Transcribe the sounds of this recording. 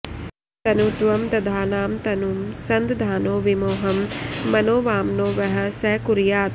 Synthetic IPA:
t̪ɐnut̪ʋɐmt̪ɐd̪ʱaːnaːmt̪ɐnumsɐnd̪d̪ʱaːnoːʋimoːɦɐmːɐnoːʋaːmnoːʋɐɦɐsɐkuɾijaːt̪

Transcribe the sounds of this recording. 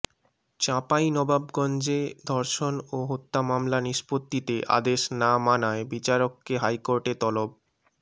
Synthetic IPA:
t͡ɕapajnɔbabɡɔnd͡ʑed̪ʱɔɾʃonoɦot̪ːamamlaniʃpot̪ːit̪eʔa̰d̪eʃnamanaebit͡ɕaɾokːeɦajkoɾʈet̪ɔlob̚

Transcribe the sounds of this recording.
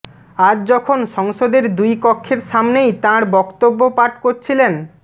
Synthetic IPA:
ad͡ʑd͡ʑɔkʰonʃɔŋʃod̪eɾd̪ujkɔkʰːeɾʃamnejt̪ãɾbɔkt̪obːopaʈkoɾt͡ɕʰilen

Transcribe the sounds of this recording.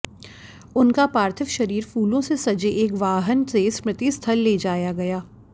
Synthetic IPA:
ʊnkapaːɾt̪ʰəʋʃɐɾiːɾfuːlõsesɐd͡ʒeʔeːkʋaːɦənsesmɾɪt̪ist̪ʰɐlːeːd͡ʒaːjaɡɐjaː

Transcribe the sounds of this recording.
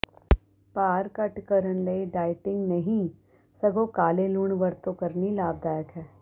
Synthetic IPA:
paːɾkɐʈkɐɾənlɐiɖaːɪʈɪ̃ŋɡnɐɦĩ | sɐɡokaːleluːɳʋɐɾt̪õkɐɾnilaːb̚d̪aːjəkɦɛː

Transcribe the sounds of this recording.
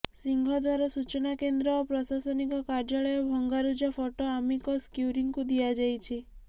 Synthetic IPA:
siŋɡʱɔd̪waɾɔsut͡ʃɔnakend̪ɾɔːpɾɔsasɔnikɔkaɾd͡ʒaɭɔjɔbʱɔŋɡaɾud͡ʒɔpʰɔʈoamikɔskjuɾiŋkud̪iad͡ʒajt͡ʃʰi

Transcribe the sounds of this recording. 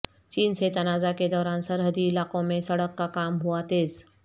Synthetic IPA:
t͡ɕiːnset̪ənad͡zaked̪ɔɾansəɾɦəd̪ʱiːlakõmesəɽəkːakamɦuat̪eːs

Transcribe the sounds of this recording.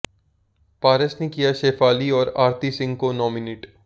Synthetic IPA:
paːɾəsnekijaʃeːfaːliɔːɾaːɾt̪isɪ̃ŋɡkonɔːmineːʈ

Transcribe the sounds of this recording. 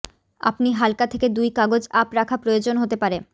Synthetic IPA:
a̰pniɦalkat̪ʰeked̪ujkaɡod͡ʑapɾakʰapɾojod͡ʑonɦot̪epaɾe

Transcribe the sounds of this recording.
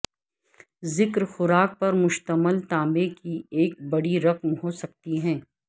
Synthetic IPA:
zɪkɾxʊɾaːk̚pɐɾmʊʃt̪əməlt̪ãːbekieːk̚bɐɽiɾɐqmɦoːsɐk̚t̪iɦɛ̃ː

